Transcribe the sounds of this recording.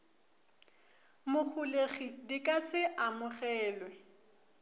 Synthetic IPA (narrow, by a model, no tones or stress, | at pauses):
mʊk͡xʰuleχidikʼasɪʔamʊχɛːlwɛ